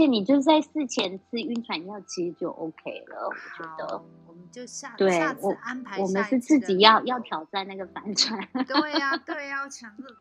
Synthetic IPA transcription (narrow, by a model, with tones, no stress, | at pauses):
ət͡ɕʰjɛ˨˦ni˨˩t͡ɕjo˥˧ʊt͡sa˥ɪsɹ̩˥˩t͡ɕʰjɛ˧˥nt͡sʰɹ̩˥˧y˥˩nt͡sʰwa˨˦njɑ˥˩ʊt͡ɕʰi˧˥ʂ̩˧t͡ɕjo˥˧ʊʔo˧˥ʊkʰe˥ɪlə̰˨wɔ̰˨˩t͡ɕɥɛ˧˥d̪̥ə̰˧ | t̪we˥˩ɪwɔ˨˩wɔ˨˩mə˨˦nʂɻ̩˥˧t͡sɹ̩˥˩t͡ɕi˨˩jɑ˥˧ʊjɑ˥˩ʊt̪ʰjɑ˨˩ʊt͡sa˥˧nna˥˩ɡə˩fa˧˥nʈ͡ʂʰwa˨˥˦n